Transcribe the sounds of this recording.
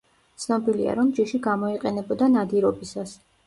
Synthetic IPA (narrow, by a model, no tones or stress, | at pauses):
t̪sʰnɔbilḭa̰ɾɔmd͡ʒiʃiɡamɔiqʼɛnɛbɔd̪anad̪iɾɔbisas